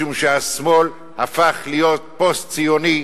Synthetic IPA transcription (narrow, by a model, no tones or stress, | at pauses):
umʃeasmo̞l | hafaχlijot̪̚po̞stt͡sijoni